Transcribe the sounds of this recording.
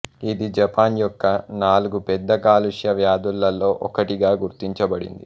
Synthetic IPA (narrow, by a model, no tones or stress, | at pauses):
id̪id͡ʒɐpaːnjɔkːɐnaːluɡupɛd̪ːɐkaːluʂjɐʋjaːd̪ulːɐlo̞ːʔɔkɐʈiɡaːɡuɾt̪iɲt͡ʃɐbɐɽḭnd̪ḭ